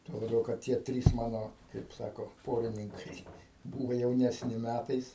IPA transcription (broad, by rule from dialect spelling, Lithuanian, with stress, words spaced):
tuɔ lˠɐˈbʲɛʊ kɐt ˈtʲiɛ ˈtʲrʲiːs ˈmɑːnoː kɐɪp ˈsɑːkoː ˈpoːrʲɪnʲɪŋkɐɪ ˈbuːʋɐ jɛʊnʲɛsʲˈnʲɪ ˈmʲætɐɪs